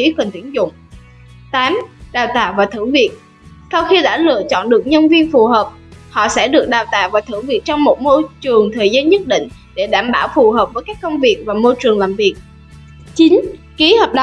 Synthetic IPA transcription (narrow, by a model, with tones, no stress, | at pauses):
i˨˦kə˨˩nt̪ḭ˧˩ənzʊ̰˧˨ŋ͡m | t̪aː˨˦mɗaː˨˩wt̪aː˧˩wvaː˨˩t̪ʰɨ̰˧˩ŋvi˨˩ək̚ | sa˧wxi˧ɗa̰ː˧˥lɨ̰˧˨ət͡ɕɔ̰˧˨nɗɨ˨˩ək̚ɲə˧nvi˧ənfu˨˩ɦəː˨˩p̚ | hɔ̰˧˨sɛ̰˧˥ɗɨ˨˩ək̚ɗaː˨˩wt̪a̰ː˧˩wvaː˨˩t̪ʰɨ̰˧˩ŋvi˨˩ək̚t͡ɕɔ˧wŋ͡mmo˨˩t̚mo˧jt͡ɕɨ˨˩əŋt̪ʰəː˨˩jzaː˧nɲə˦˥t̚ɗḭ̈˧˨ŋ̟ | ɗe˧˩ɗaː˧˩mɓaː˧˩wfu˨˩ɦəː˨˩p̚vəː˨˦jkaː˦˥kːə˧wŋ͡mvi˨˩ək̚vaː˨˩mo˧jt͡ɕɨ˨˩əŋlaː˨˩mvi˨˩ək̚ | t͡ɕi˨˦n | ki˨˦həː˨˩p̚ɗ